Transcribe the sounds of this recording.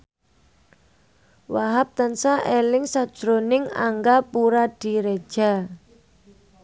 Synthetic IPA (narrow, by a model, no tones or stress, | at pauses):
waɦap̚t̪ansaʔelɪŋsad̥ʒ̥ɾonɪŋa̰ŋɡapuɾad̥i̤ɾed̥ʒ̥a̤